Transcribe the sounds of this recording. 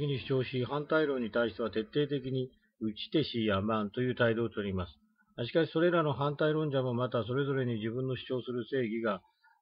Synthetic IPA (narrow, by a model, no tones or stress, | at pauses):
kʲiɲ̟iɕi̥t͡ɕo̞ːɕiɦãnt̪aiɾõ̞ɲ̟ːit̪aiɕi̥t̪e̞βat̪e̞t̪ːe̞ːt̪e̞k̬ʲiɲ̟i | ɯ̟t͡ɕi̥t̪e̞ɕiamãnt̪o̞jɯ̟ːt̪aid̪o̞ːt̪oɾʲimasɨ̥ | aɕi̥kaɕi̥so̞ɾe̞ɾano̞ɦãnt̪aiɾõ̞ɲ̟d͡ʑamo̞mat̪as̬o̞ɾe̞zo̞ɾe̞ɲ̟id͡ʑibɯ̟̃nːo̞ɕi̥t͡ɕo̞ːsɨɾɯse̞ːɡʲiɡa